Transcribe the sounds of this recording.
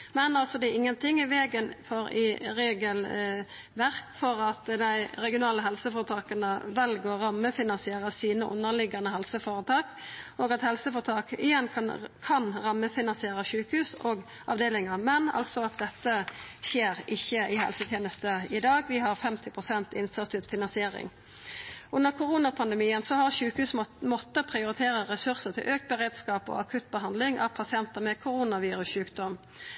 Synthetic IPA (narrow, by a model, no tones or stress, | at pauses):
mɛnɑlsɔd̪ɛɪŋːənt̪ʰɪŋːɪʋeːɡənfɔɾɪ̰ɾeːɡəl | ʋæʁkfɔɾɑt̪d̪æɪɾɛɡɪʊnɑːləɦɛlsəfɔɾət̪ʰɑːkənəʋɛlɡoːɾɑmːəfɪnɑnsɪeːɾəsiːnəʔʊ̰nːəʁlɪɡɑnəɦɛlsəfoːɾət̪ʰɑːkʔoːɡɑt̪hɛlsəfɔɾt̪ʰɑːkɪ̰jɛnkʰɑnkʰɑnɾɑmːəfɪnɑnsɪeːɾəʃʉːkhʉːsoːɡ | ʔɑ̰ʋd̪eːlɪŋəɾmɛnɑ̰lsɔɑt̪̚d̪ɛt̪ːəʃeːɾɪçːəʔɪhɛ̰lsət̪ʰjeːnəst̪əɪd̪ɑːɡʋɪɦɑɾfɛmt̪ʰɪpʰʁʊsɛnt̪ɪ̰nsɑt̪ʉt̪fɪnɑnsɪeːɾɪ̰ŋ | ʉnːəʁkʰʊʁuːnɑpʰɑnd̪ɛmiːənsɔhɑʁʃʉːkhʉːsmɔt̪ːəpʰʁɪʊɾɪt̪ʰeːɾəʁɛsʉɾsəʁt̪ʰɪ̰lʔøːk̚t̪̚bəʁeːd̪skɑːpɔ̰ɑkʰʉt̪̚bəɦɑnd̪lɪŋʔɑ̰ʋpʰɑsɪɛnt̪əmɛkʰʊɾuːnɑʋiːɾʉsɕʉːkd̪ɔm